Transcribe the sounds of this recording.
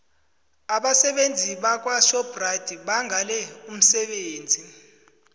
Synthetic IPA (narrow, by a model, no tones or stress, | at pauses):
aɓasɛɓend͡zʱiɓak̬ʼwaʃɔb̥rad̥ʱiɓaŋʱalɛum̩sɛɓeːnd͡zʱi